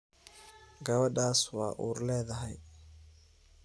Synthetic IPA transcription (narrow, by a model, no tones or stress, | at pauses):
ɡɐβɐɖaːswɑ̰ːʔṵːrlɛːðɐɦɛj